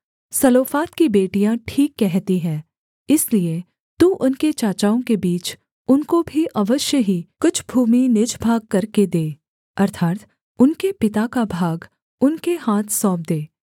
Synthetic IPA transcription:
sɐloːfaːt̪kibeːʈijãʈʰiːkːɛɦt̪iɦɛ̃ː | ɪslie | t̪uʔʊnket͡ʃaːt͡ʃaːõkebiːt͡ʃ | ʊnkobʱiʔɐʋəʃjəɦikʊt͡ʃʰbʱuːminɪd͡ʒbʱaːɡ̚kɐɾked̪eː | ɐɾt̪ʰaːt̪ | ʊnkepɪt̪akabʱaːɡ | ʊnkeɦaːt̪ʰsɔːp̚d̪eː

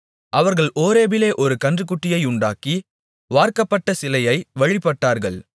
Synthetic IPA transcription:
ʔɐʋɐɾɣɐɭoːɾeːbɪleːʔɔɾɯkɐndrɯk̬ːʊʈːɪjɐɪʊɳɖa̰ːki | ʋaːɾkɐpːɐʈːɐsɪlɐjɐɪʋɐɻɪpːɐʈːaːɾɣɐɭ

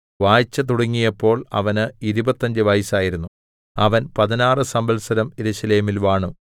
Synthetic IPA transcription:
ʋaːjt͡ɕːɐt̪̬uɽɐŋːijɐpːo̞ːɭɐ̰ʋɐnɨiɾubɐt̪ːɐɲd͡ʑɨʋɐjsaːjiɾunːu | ɐʋɐnpɐðinaːrɨsɐmbɐlsɐɾɐmeɾuɕɐleːmilʋaːɳu

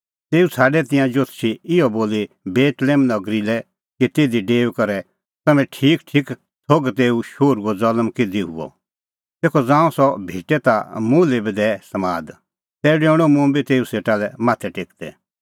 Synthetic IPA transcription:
t̪eːut͡sʰaːɖɛt̪ɪ̃jãd͡ʒot̪ʰt͡ʃʰiɪjɔboːli | beːt̪lɛːmnɐɡɾilɛ | kit̪eːd̪iɖeːʋkɐɾɛ | t̪ɐmɛ̃ʈʰiːkʈʰiːk | t͡sʰoɡt̪eːuʃoːɾuɔd͡zɐləmkɪd̪iɦʊ̰ɔ̰ | t̪eːkʰɔd͡zãːũsɔbʱiːʈɛt̪amũːlebid̪ɛsɐmaːd̪ | t̪ɛːɖeːʊɽ̃ɔmũbit̪eːuseːʈalɛmaːt̪ʰɛʈeːkd̪ɛ̰

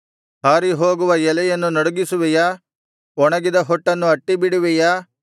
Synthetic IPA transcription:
haːɾiɦoːɡuʋɐjɛlɛjɐnːunɐɽuɡisuʋɛjɐ | ɔɳɐɡid̪ɐɦɔʈːɐnːuɐʈːibiɽuʋɛjɐ

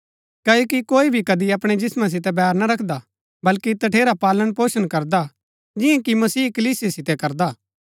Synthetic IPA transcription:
kɐːjoːkikoːibʱikɐd̪iɐpɽ̃ed͡ʒɪsmãs̬ɪt̪̬ɛbɛːɾnaɾɐkʰd̪a | bɐlkit̪ɐʈʰeːɾapaːləɽ̃poːʃəñkɐɾd̪a | d͡ʒɪ̃ẽkimɐsiːkɐliːsiesɪt̪ɛkɐɾd̪aː

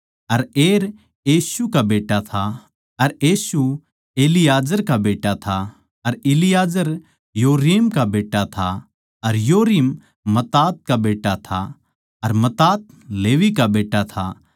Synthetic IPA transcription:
ɐɾeːɾ | iːsukabeːʈat̪ʰa | ɐɾeːsu | eːlɪjaːd͡ʒəɾkabeːʈat̪ʰa | ɐɾɪlɪjaːd͡ʒəɾ | joːɾiːmkabeːʈːat̪ʰa | ɐɾjoːɾiːmː | ɐt̪aːt̪̚kabeːʈːat̪ʰa̰ | ɐɾmɐt̪aːt̪̚ | leːʋikabeːʈːat̪ʰa̰

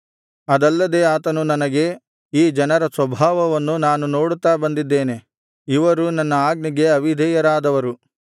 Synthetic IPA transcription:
ɐd̪ɐlːɐd̪eːaːt̪ɐnunɐnɐɡe̞ | iːd͡ʒɐnɐɾɐsʋɐbʱaːʋɐʋɐnːunaːnuno̞ːɽut̪ːaːbɐnd̪id̪ːe̞ːne̞ | iʋɐɾunɐnːɐaːɡniɡe̞ɐʋid̪ʱɛjɐɾaːd̪ɐʋɐɾu

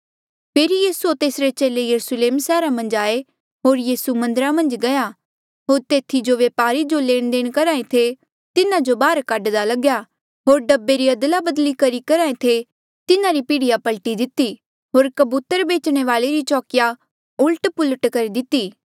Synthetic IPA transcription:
pʰeːɾijiːsuot̪eːsɾet͡ʃeːlejɐɾusleːmsɛːɾamɐ̃nd͡ʒaːe | ɦoːɾjiːsumɐ̃nd̪əɾamɐ̃nd͡ʒɡɐja | ɦoːɾt̪eːt̪ʰid͡ʒoʋeːpaːɾid͡ʒoleːɽ̃d̪eːɽ̃kɐɾaːẽt̪ʰe | t̪ɪnãd͡ʒobaːɾkaɖd̪alɐɡja | ɦoːɾɖɐbːeɾiɐd̪labɐd̪likɐɾikɐɾaːẽt̪ʰe | t̪ɪnãɾipiːɽɪjapɐlʈid̪ɪt̪i | ɦoːɾkɐbuːt̪əɾbeːt͡ʃɽ̃eʋaːleɾit͡ʃɔːkɪja | ʊlʈpʊləʈkɐɾid̪ɪt̪ːiː

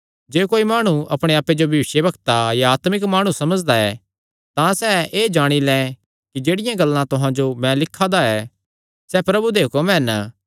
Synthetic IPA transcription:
d͡ʒeːkoːimaːɽ̃uʔɐpɽ̃eaːpːed͡ʒobʱɐʋɪʃjebɐkt̪ajaaːt̪mɪkmaːɽ̃ũsɐməd͡ʒd̪aɛː | t̪ãsɛeːd͡ʒaːɽ̃ilɛ̃ | kid͡ʒeːɽɪjãɡɐlːãt̪ʊɦãd͡ʒomɛ̃lɪkʰːad̪aɛː | sɛpɾɐbud̪eːkomɛ̃ːn

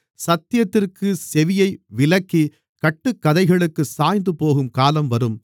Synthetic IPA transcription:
sɐt̪ːɪjɐt̪ːɪrkɯsɛʋɪjɐɪʋɪlɐkːi | kɐʈːɯkːɐðɐɪɣɐɭɯkːɯsaːjnd̪ɯpoːɣɯmkaːlɐmʋɐɾɯm

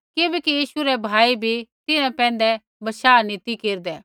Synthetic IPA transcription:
kibɛkijiːʃuɾɛbʱaːibʱit̪ɪnɛ̃pɛ̃ːn̆d̪ɛ | bɐʃaːnɪt̪ikeːɾd̪ɛː

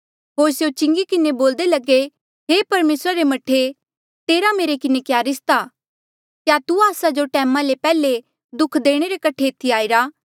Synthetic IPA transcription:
ɦoːɾsjot͡ʃɪ̃ŋɡikɪneboːld̪elɐɡe | ɦeːpɐɾmeːsɾaɾemɐʈʰːe | t̪eːɾameːɾekɪnekjaːɾɪst̪aː | kjat̪uaːsad͡ʒoʈɛːmãlepɛːle | d̪ʊkʰd̪eːɽ̃eɾekɐʈʰet̪ʰiaːiɾaː

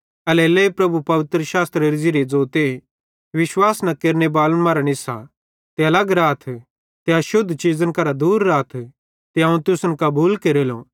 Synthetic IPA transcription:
ɐlɛleːpɾɐbupɐʋɪt̪ɾəʃaːst̪ɾeɾd͡ʒiɾed͡zoːt̪e | ʋɪʃwaːsnɐkeːɾnebaːlənmɐɾəɽ̃ɪsa̰ | t̪eɐlɐɡɾaːt̪ʰ | t̪eɐʃʊd̪ʱt͡ʃiːzənkɐɾad̪uːɾːaːt̪ʰ | t̪eɐũt̪ʊsənkɐbuːlkeːɾelo̰

